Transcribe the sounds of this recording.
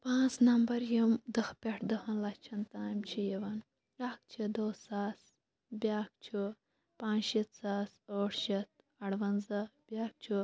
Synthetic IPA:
pãːt͡snɐmbɐɾjimd̪ɨxpʲeʈʰd̪ɨɦɐnlɐt͡ʃʰɐnt̪aːmt͡ʃʰijiʋɐn | ɾaːk̚t͡ʃʰid̪oːsaːs | bʲjaːk̚t͡ʃʰu | pãːit̪saːsoːʈʰʃit̪̚ | ɐɽʋɐnzɐb̥ʲaːk̚t͡ʃʰu

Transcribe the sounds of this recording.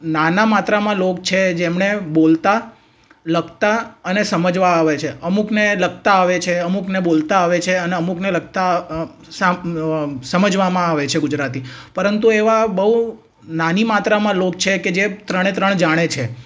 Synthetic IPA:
nanamat̪ɾamãlok̚t͡ʃʰed͡ʒemɳebolt̪a | ləɡt̪aənesəməd͡ʒʋaːʋet͡ʃʰeəmukneləɡ̚t̪aːʋet͡ʃʰeəmuknebolt̪aːʋet͡ʃʰeəneəmukneləɡ̚t̪a | sa | səməd͡ʒʋamãaʋet͡ʃʰeɡʊd͡ʒɾat̪ipəɾənt̪ueʋabəɦu | nanimat̪ɾamãlokt͡ʃʰeked͡ʒet̪ɾəɽ̃et̪ɾəɳ̃d͡ʒaɽ̃et͡ʃʰe

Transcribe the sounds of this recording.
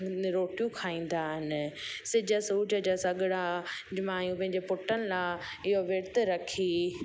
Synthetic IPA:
ɾoːʈijũkʰaːĩːn̆d̪aːɦɪnɪ̆sɪd͡ʑʱəsuːd͡ʑəd͡ʑasɐɡɪɽad͡ʑmãːjũpɐ̃ɦɪ̃ɲd͡ʑepʊʈənɪ̆lã | ɪɦoʋɪɾt̪ɾɐkʰiː

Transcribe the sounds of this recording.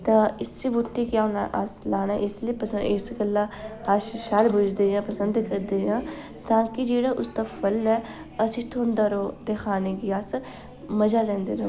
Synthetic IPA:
t̪ãːɪsibʊʈːiːkɪaːnaʔa̰slaːnaːʔɪsliːpəɪsɡəlːãːaːʃʃaːlbʊd͡ʒd̪eːjãːpəsənd̪kəɾd̪eːjãː | t̪ãːkid͡ʒeːɽaːʔʊst̪aːpʰəlɛː | əsĩːt̪ʰoːnd̪aːɾoːd̪ekʰaːneːɡiːaːs | məd͡ʒaːɾɛ̃ːnd̪eːɾo

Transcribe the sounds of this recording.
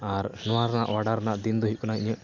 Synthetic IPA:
aɾnɔwaɾnaʔwaɽaɾnaʔd̪ind̪ɔɦiʔ̚kunaʔiɲəʔ

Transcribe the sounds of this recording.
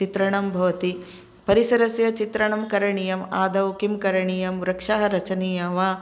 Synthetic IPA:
t͡ʃit̪ɾɐɳɐmbʱɐʋɐt̪i | pɐɾisɐɾɐsjɐt͡ʃit̪ɾɐɳɐmkɐɾɐɳijɐmaːd̪ɐwkimkɐɾɐɳijɐmɾɐkʂaɦɐɾɐt͡ʃɐnijɐʋaː

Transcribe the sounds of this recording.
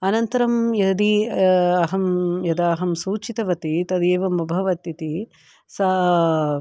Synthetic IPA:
ɐnɐnt̪ɐɾɐmjɐd̪iɐɦɐmjɐd̪aːɦɐmsuːt͡ʃit̪ɐʋɐt̪it̪ɐd̪eːʋɐmɐbʱɐʋɐt̪jɐt̪i | sɐ

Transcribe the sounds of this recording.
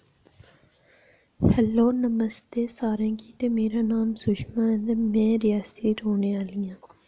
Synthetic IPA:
həlːoːnəməst̪eːsaːɾẽːkiːt̪emeːɾaːnaːmsʊʃmãːɛ̃nd̪emɛ̃ːɾɪjaːseːɾoːneːaːlijãː

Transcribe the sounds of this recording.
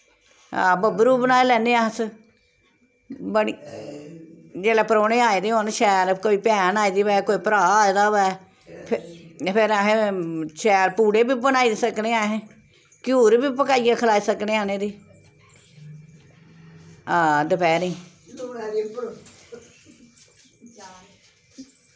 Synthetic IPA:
ã̰ːbəbɾuːbənaːeːlɛːneːaːs | bəɽiː | d͡ʒeːlɛːpəɾoːneːaːeːd̪eːonʃɛːɾkoːiːpɛːnaːeːd̪iːʋɛːkoːiːpəɾaːaːed̪aːʋɛː | pʰpʰɪɾaɦẽʃɛːɾpuːɽeːbiːbənaːid̪səkneːaːɦẽː | kjuːɾbiːpəkaːijãːkʰəlaːiːsəkneːaːnẽːd̪iː | aːd̪əpʰɛːɾĩː

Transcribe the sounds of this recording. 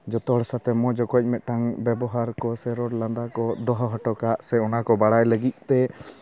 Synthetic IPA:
d͡ʒɔt̪ɔɽɛsat̪ɛmɔd͡ʒɔkɔc̚ˀmɛt̪̚ʈaŋbɛbɔɦaɾkɔsɛɾɔɾland̪akɔd̪ɔɦɔɦɔʈɔkaʔsɛɔnakɔbaɽajləɡit̪̚ˀt̪ɛ

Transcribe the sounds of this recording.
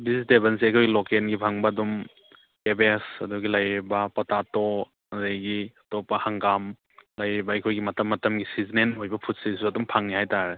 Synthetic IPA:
bizitebɐnsiɐjkʰojɡilokenɡibʱaŋbɐːdum | kebesɐduɡilɐjɾibɐpɔtato | ɐɾejɡiɐtopɐhaŋɡam | lɐjɾibɐɐjkʰojɡimɐtɐmːɐtɐmɡisizinenojbɐpʰut̚sis̬uɐdumpʰaŋnihajtaɾe

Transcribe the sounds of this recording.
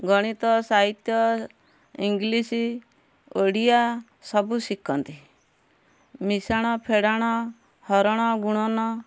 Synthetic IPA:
ɡɔɽ̃it̪ɔsaɦit̪jɔ | iŋɡlisi | oɽija | sɔbusikʰɔnt̪i | misaɽ̃ɔpʰeɽaɽ̃ɔ | hɔɾɔɽ̃ɔɡuɽ̃ɔnɔ

